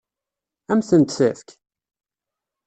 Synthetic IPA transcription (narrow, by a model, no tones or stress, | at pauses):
æmθənt̪sæfk